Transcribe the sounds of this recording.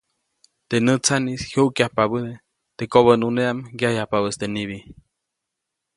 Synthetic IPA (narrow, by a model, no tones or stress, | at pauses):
t̪enət͡sanishjuʔkjahpaβəd̪e | t̪ekoβənuneamɡjajapaβəst̪eniβi